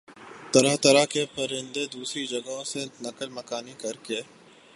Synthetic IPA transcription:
t̪ɐɾaɦt̪ɐɾakepɐɾɪ̃nd̪ed̪uːsɾid͡ʒɐɡaɦõsenɐkəlmɐkaːnikɐɾke

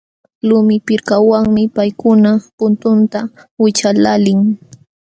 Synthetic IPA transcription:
lʊmɪpɪɾkawaŋmɪpajkʊnapʊnt̪ʊnt̪a | wɪt͡ʃalalɪŋ

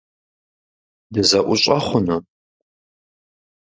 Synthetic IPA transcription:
dɨzɐʔʷʊɕʼɐχʷʊnɨ

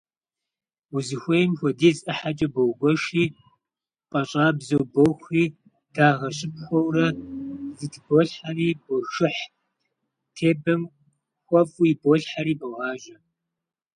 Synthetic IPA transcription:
uzɨxʷejmxʷɔdiːzʼʔɐħat͡ʃʼɐbowɡʷɔʃiː | qʼɐɕʼaːbzowboxʷriː | d̥ʰaːʁɐɕʼɪp̚xʷɔwrɐzɨtʰboːɬħariːbɔʃɪħ | tʰeːbɐm | xʷɐfʼuiboːɬħaɾiːbɐʁɑːʒɐ

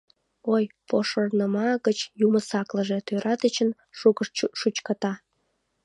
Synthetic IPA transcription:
ojpoʃornəmɑɣət͡ɕjuməsɑklə̆ʒet̪øɾɑt̪ət͡ɕən | ukʃut͡ɕkɑt̪ɑ

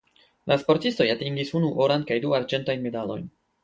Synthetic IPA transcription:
lʔaspo̞ɾtisto̞jatiŋɡisunuʔo̞ɾankajduaɾd͡ʒe̞ntajnme̞dalo̞̰jn

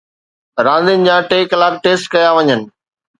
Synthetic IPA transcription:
ɾãːnd̪ɪnɪ̆d͡ʑãːʈeːklaːɡ̚ʈeːsʈkɐjaʋɐɲənɪ̆

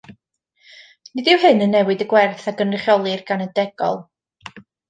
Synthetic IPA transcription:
nɪdɪwɦɨnənːɛwɨdəɡwɛrθaɡənrɪχjɔlˠɨrɡ̥anədɛɡɔ̰lˠ

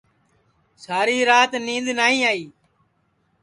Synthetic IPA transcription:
saːɾiːɾaːt̪nĩːnd̪naːɦĩːaːiː

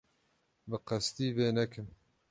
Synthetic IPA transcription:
bɨqɨst̪iːveːnɛkɨm

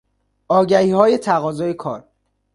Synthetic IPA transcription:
ɒːɟæhiːhɒːje̞t̪ʰæɣɒːzɒːjekʰɒːɾ

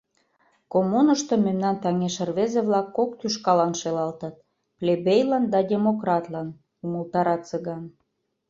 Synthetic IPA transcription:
komunəʃt̪omemnɑnt̪ɑŋeʃərβezeβlɑkːok̚t̪yʃkɑlɑnʃelɑlt̪ə̆t̪̚ | plʲebejlɑnd̪ɑdʲemokrɑt̪lɑn | uməlt̪ɑɾɑt̪t͡sə̆ɣɑn

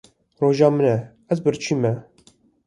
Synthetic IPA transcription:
roːʒɑːmɨnɛ | æzbɨɾt͡ʃʰiːmɛ

